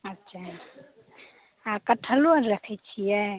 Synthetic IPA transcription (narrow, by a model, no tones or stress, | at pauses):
ətːʃʰa | akəʈʰəluəɾɾəkʰɛt͡ʃʰijɛ